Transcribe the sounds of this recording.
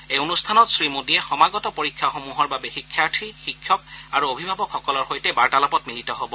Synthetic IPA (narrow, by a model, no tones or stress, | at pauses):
ejonustʰanɔtsɹimodiɛxɔmaɡɔtɔpoɹikʰːaxomuɦɔɹbabɛxikʰːatʰixikʰːjɔk̚aɹuobʱibʱabɔkxɔkɔlɔɹxojtɛbaɹtalapɔtmilitɔɦobɔ